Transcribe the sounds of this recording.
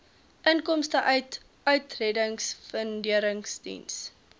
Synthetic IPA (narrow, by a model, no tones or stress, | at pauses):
ʔənkɔmstəʔœɥt | œɥtrɛdəŋsfəndiəɾəŋsdḭns